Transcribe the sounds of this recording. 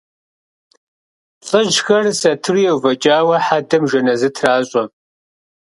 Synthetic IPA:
ɬʼɨʒxɐrsɐtʰɨrijɛwvɐt͡ʃʼaːwɐħadɐmʒɐnɐzɨtʰraːɕʼɔ

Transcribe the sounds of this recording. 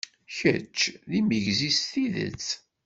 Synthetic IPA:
çət͡ʃːðiməʝzist̪iðə̰t͡s

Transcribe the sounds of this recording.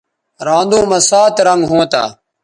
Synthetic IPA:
ɾãːnd̪õːmɐ̃saːt̪ɾəŋɡɦõːt̪a̰ː

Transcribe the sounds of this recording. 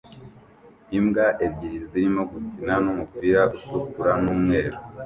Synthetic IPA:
imɡaʔebɟiɾiziɾimo̞ɡutinanumupiːɾautukuɾanuːmŋe̞ːɾu

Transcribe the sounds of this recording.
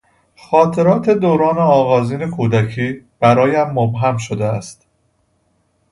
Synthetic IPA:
xɒːt̪ʰe̞ɾɒːt̪ʰe̞d̪oːɾɒːneɒːɣɒːziːne̞kʰuːd̪æcʰiːb̥æɾɒːjæmːobɦæmʃod̪eæst̪

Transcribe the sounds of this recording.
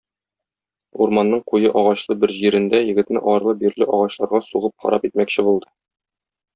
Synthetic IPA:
uɾmɑnːɤɴqujɤʔɒʁɑɕlˠɤbɘɾʑiɾɘ̆nd̪æjɘ̆ɡɘ̆t̪nɘʔɒɾlˠɤbiɾlɘʔɒʁɑɕlˠɑɾʁɑsuʁɤp̚χɒ̰ɾɑpit̪̚mækɕɘbulˠd̪ɤ

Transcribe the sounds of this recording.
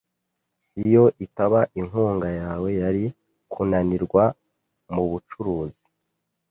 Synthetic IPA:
ijo̞ʔitaβaʔiŋɦuːŋɡajaːwe̞jaɾi | kʰunaniɾɡwa | muβut͡ʃuɾuːzi̥

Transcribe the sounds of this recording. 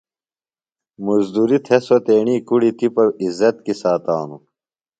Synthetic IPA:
muzd̪uːɾit̪ʰesot̪eːɳiːkuɽit̪ipɐɾizːɐt̪̚kisaːt̪aːnu

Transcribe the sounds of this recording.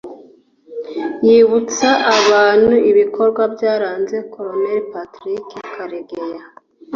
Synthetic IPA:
jiβut͡saʔaβaːn̥uʔiβiko̞ɾɡwabjaːɾaːnze̞kʰoɾoneɾipatɾikikʰaɾeɡeja

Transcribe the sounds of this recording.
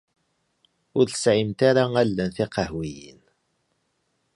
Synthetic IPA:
ʊɾθə̥sʕimt̪aɾaælːænθiqəhwijḭn

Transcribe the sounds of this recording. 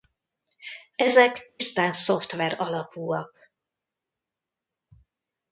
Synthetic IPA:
ɛzɛkist̪ansoft̪ʋɛɾɒlɒpuːɒk̚

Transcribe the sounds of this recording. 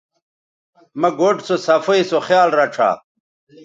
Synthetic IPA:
mɐɡoʈsosɐfɐjsoxjaːlɾɐʈ͡ʂʰa̰ː

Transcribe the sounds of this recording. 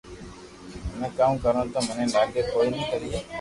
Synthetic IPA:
mẽːkaːmkəɾõːt̪aːmʊnẽːlaːɡeːkʰoːiːnĩːkəɾiː

